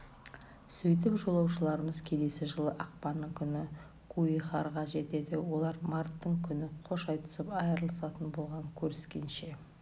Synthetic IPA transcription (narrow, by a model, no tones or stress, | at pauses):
sɵjt̪ɪpʒo̞lˠɑwʃəlˠɑɾəməzkʲʰe̞le̞sɪʒəlˠəʔɑq̚pɑnːəɴkʲʰʏnɪ | kʰuiχɑɾʁɑʒe̞t̪e̞d̪ɪwo̞lˠɑɾmɑɾt̪ːəɴkʲʰʏnɪqʰo̞ʃɑjt̪ə̥səpɑjəɾəlˠəsɑt̪ənbo̞lˠʁɑŋkʲʰɵɾɪskʲe̞nʃe̞